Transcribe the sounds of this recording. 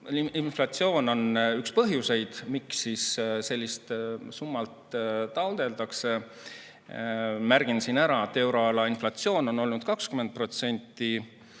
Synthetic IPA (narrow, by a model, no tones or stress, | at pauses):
inflɑt̪sio̞ːno̞nykspɤɦjuse̞jd̪̥miksːisse̞lːist̪sumːɑlt̪t̪ɑwd̪̥e̞ld̪ɑkse̞ | mærɡ̥insinæɾɑet̪ːˑe̞wɾo̞ɑlɑinflɑt̪sio̞ːno̞no̞lnud̪̥kɑkskymen̚pro̞t̪se̞nʲt̪ˑːi